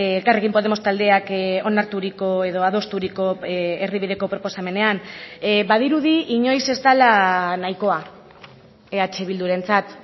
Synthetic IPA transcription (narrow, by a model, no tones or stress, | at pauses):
elkare̞ɣkimpo̞ð̞e̞mo̞st̪ald̪e̞ako̞naɾt̪uɾiko̞e̞ðo̞aðo̞st̪uɾiko̞eriβið̞e̞ko̞pɾo̞po̞same̞ne̞anbaðiɾuðiiɲo̞jse̞zt̪alanajko̞a | eat͡ʃeβild̪uɾe̞nt͡sat̪